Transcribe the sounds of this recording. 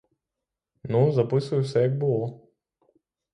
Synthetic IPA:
nuzɐpɨsəjɛsʲɛjaɡ̚bɨlˠɔ

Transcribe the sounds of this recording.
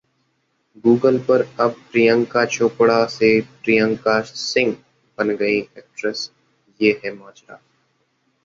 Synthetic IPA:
ɡuːɡəlpɐɾɐb̚tɾijə̃ŋkat͡ʃʰoːpɽaseʈɾijə̃ŋkasɪ̃ŋɡ | b̥ɐnɡəiʔɛːk̚ʈɾɛs | jeːɦɛmaːt͡ʃɾa̰ː

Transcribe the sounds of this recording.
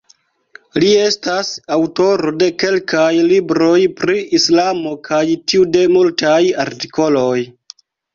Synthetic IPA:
lie̞stasawto̞ɾo̞de̞ke̞lkajlibɾo̞jpɾiislamo̞kʰajtiude̞multajaɾti̥ko̞lo̞j

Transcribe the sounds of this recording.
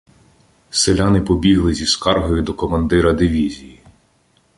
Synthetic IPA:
selʲanɪpɔbʲiɦlˠɪzʲiskɑrɦɔjʊd̪ɔkɔmɐnd̪ɪɾɐd̪ɪʋʲizʲiji

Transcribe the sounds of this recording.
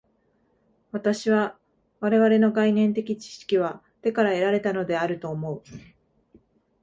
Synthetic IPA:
βat̪aɕiβa | βaɾe̞β̞aɾe̞no̞ɡainẽ̞nt̪e̞kʲit͡ɕi̥ɕi̥kʲiβ̞a | t̪e̞kaɾae̞ɾaɾe̞t̪ano̞d̪e̞aɾɯ̟t̪o̞ːmo̞ɯ̟

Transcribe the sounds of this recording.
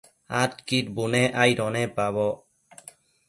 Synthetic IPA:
at̚kit̚bunɛʔajɾɔnɛpaβɔ

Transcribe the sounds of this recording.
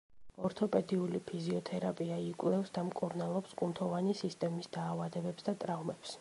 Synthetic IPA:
ɔɾt̪ʰɔpʼɛd̪iulipʰiziɔt̪ʰɛɾapʼiaikʼwlɛfsd̪amkʼuɾnalˠɔpskʼunt̪ʰɔvanisist̪ʼɛmisd̪aːvad̪ɛbɛpsd̪at̪ʼɾavmɛps

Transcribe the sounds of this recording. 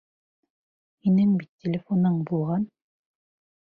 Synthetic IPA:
hinɘŋbit̪ʲːelʲɪfonɤɴbulˠʁɑn

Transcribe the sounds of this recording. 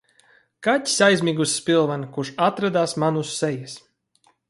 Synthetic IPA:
katʲi̥sʲajzʲmʲiːɡusːpʲilˠvankuʃat̪ɾad̪aːsmanusːɛjas

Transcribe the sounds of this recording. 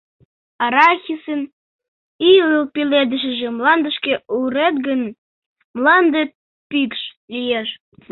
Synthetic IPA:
ɑɾɑxʲisən | iəlpiled̪əʃ̬ə̆ʒĕmlɑnd̪əʃkeuɾet̪ɡən | mlɑnd̪et̪̚ | pikʃ | lijeʃ

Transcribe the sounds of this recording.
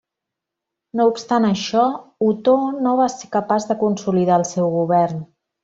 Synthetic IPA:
noupst̪anəʃɔut̪onoβ̞asekəpazðəkunsuliðaəlˠsɛwɣuβɛrn

